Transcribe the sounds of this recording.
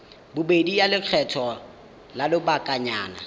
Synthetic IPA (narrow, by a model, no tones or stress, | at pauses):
bʊbedijalɪq͡χʰɛtʰɔ | lalɪbakʼaɲa̰ːna̰